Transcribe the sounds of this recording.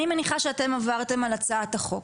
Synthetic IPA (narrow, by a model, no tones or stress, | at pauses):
nimeniχaʃeate̞mavaʁte̞malat͡saːtaχo̞k